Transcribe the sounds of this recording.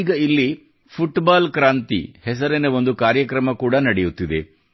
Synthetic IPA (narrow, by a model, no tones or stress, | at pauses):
ɡɐilːi | pʰuʈbaːlkɾaːnt̪ḭhɛs̬ɐɾeneʋo̞nd̪ukaːɾjɐkɾɐmɐkuːɽɐnɐɽejut̪ːid̪e̞̰